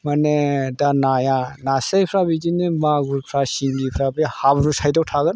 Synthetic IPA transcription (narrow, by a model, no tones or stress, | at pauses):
manedanajanasajpʰɾabid͡ʒinimaɡuɾpʰɾasiŋɡipʰɾabihabnusajdɔw̚tʰaɡɯn